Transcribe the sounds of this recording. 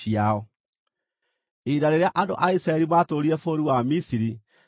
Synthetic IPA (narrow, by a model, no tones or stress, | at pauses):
iaɔ | edaɾeɾeaʔando̰ʔaisɾaɛɾimaːtoɾiɾɛfoɾiwamisiɾi